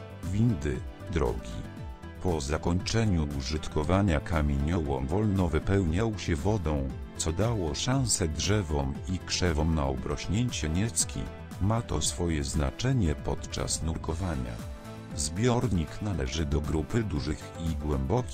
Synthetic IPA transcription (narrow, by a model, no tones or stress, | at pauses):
vʲind̪ɘ | d̪ɾɔ̰ɡʲḭ | pɔzakɔɲt͡ʂɛɲuːʐɘt̪kɔvaɲakamʲeɲɔwɔ̰vɔlnɔvɘpɛwɲawɕɛvɔd̪ɔ̃w̃ | t̪sɔd̪awɔʂãw̃sɛdʐɛvɔmikʂɛvɔmnaɔbɾɔɕɲeɲt͡ɕɛɲɛt̪skʲḭ | mat̪ɔsfɔjɛzna̰t͡ʂɛɲɛpɔt̪t͡ʂa̰snuɾkɔvaɲa̰ | zbʲjɔɾɲiknalɛʐɘd̪ɔɡɾupɘd̪uʐɘxiɡwɛmbɔkʲ